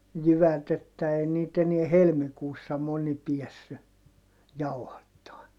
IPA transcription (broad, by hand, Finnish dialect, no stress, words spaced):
jyʋæt etːæ ei niːt eniɛ helmikuːsːɑ moni piɛsːy jɑuhɑtːɑːn